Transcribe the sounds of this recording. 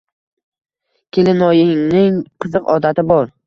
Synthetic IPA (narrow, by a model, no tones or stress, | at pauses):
kʲʰelɪnɒjɪŋnɪŋqʰɨzɨqɒ̰d̪at̪ʰɪbɒɾ